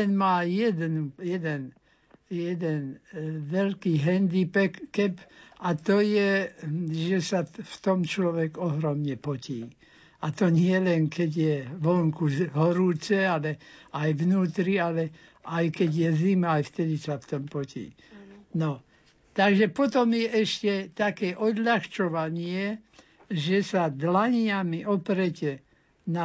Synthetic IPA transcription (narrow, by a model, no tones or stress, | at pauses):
t̪ɛnmaːjɛd̪ɛnujɛd̪ɛn | jɛd̪ɛnʋɛlkiːɦɛnd̪ipɛːɛpat̪ɔjɛ | ʒɛsaft̪ɔmt͡ʃlɔʋɛɡɔɦɾɔmɲɛpɔciː | at̪ɔɲɪɛlɛnkɛɟjɛʋɔŋkuɦɔɾuːt͡sɛalɛajʋnuːt̪ɾialɛ | ajkɛɟjɛzimaajft̪ɛd̪isaft̪ɔmpɔcḭː | nɔ | t̪aɡʒɛpɔt̪ɔmjɛʔɛʃcɛt̪akɛːʔɔd̪ʎaxt͡ʃɔʋaɲɪɛ | ʒɛsad̪laɲɪamiʔɔpɾɛcɛ | na